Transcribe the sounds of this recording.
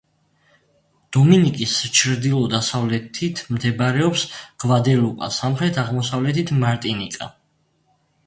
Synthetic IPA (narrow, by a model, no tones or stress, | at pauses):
d̪̥ɔminikʼist͡ʃʰɾd̪ilˠɔd̪asavlɛt̪ʰit̪ʰmd̪ɛbaɾɛɔpsɡ̥vad̪ɛlupʼa̰samχɾɛt̪ʰaʁmɔsavlɛt̪ʰit̪ʰmaɾt̪ʼinikʼa̰